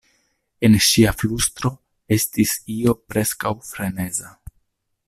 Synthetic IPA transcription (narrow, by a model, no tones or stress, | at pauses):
e̞nʃiaflustɾo̞ | e̞stisio̞pɾe̞skawfɾe̞ne̞za